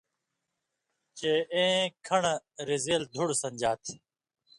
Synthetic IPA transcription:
t͡ɕeːẽːkʰəɳɾizeːld̪ʱʊɽsəɲd͡ʑaːt̪ʰ

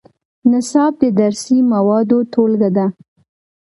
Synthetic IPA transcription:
nɪsɑb̚d̪əd̪aɾsimawɑd̪ot̪ʰolɡad̪a

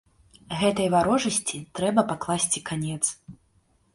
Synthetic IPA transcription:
ɣɛt̪ɐjvaɾɔʐɐsʲt͡sʲit̪ɾɛbɐpaklˠasʲt͡sʲikanʲɛt̪s

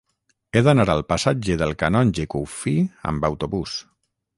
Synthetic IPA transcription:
eðənaɾalˠpasad͡ʒeðəlˠkanɔnʲd͡ʒekufiə̰mbəwt̪uβus

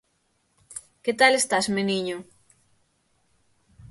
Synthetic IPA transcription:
ket̪alest̪asmeniɲo

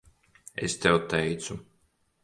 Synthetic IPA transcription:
ḛst̪ɛwt̪ɛjt̪su

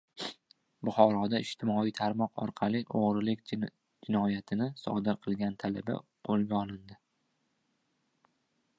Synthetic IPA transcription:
bʊχɒɾɒd̪aɪʃt̪ʰɪmɒijt̪ʰaɾmɒqʰɒ̰ɾqʰɑlɪʔoʁɾɪlɪkʲ | d͡ʒɪnɒjat̪ʰɪnɪsɒ̰d̪ɪɾqʰɨlˠɡʲant̪ʰala̰ba̰qʰolˠɡʲaɒlˠɪnd̪ɪ

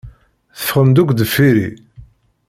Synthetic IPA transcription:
θə̥fʁəmd̪ukʷd̪əfːiɾḭ

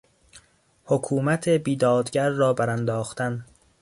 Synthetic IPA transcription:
hokʰuːmæt̪ʰebiːd̪ɒːd̪ɟæɾːɒːbæɾænd̪ɒːxt̪æn

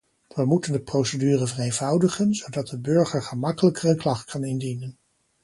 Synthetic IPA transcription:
ʋəmutəndəprowsədyːrəvɛrejnvɑwdəχənzowdɑt̚dəbɵɹχəɹχəmɑkələkərənklɑχtkʰɑnɪndinən

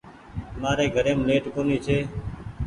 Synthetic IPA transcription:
maːɾeːɡʱəɾẽːmleːʈkoːniːt͡ʃʰeː

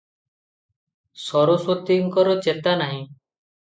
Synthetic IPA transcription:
sɔɾoswot̪iŋkɔɾɔt͡ʃet̪anaɦĩ

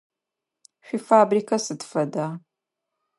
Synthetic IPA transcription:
ɕʷᶣifaːbriːkʰɐsɨdfɐdaː

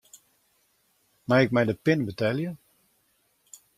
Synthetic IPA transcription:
maɪk̚mɛjdəpɪnəbətɛlˠjə

